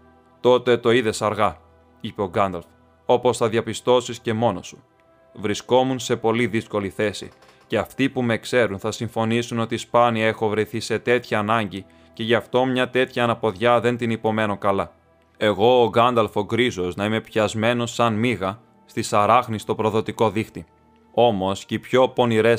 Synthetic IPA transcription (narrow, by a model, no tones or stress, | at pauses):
t̪o̞t̪e̞t̪o̞iðe̞sɐɾɣɐ | ipe̞o̞ɡɐnd̪ɐlf | o̞po̞sθɐðiɐpist̪o̞sisce̞mo̞no̞su̥ | vɾisko̞munse̞po̞liðisko̞liθe̞sḭ | ceɐft̪ipume̞kse̞ɾunθɐsiɱfo̞nisuno̞t̪ispɐniɐe̞xo̞vɾeθise̞t̪e̞t̪çɐːnɐɲɟi | ce̞ʝɐft̪o̞mɲɐt̪e̞t̪çɐːnɐpo̞ðʝɐðe̞nt̪inipo̞me̞no̞kɐlɐ | e̞ɣo̞ːɣɐnd̪ɐlfo̞ɡɾizo̞znɐime̞pçɐzme̞no̞sːɐnmiɣɐ | st̪isɐɾɐxnist̪o̞pɾo̞ðo̞t̪iko̞ðixt̪i | o̞mo̞scipço̞po̞niɾe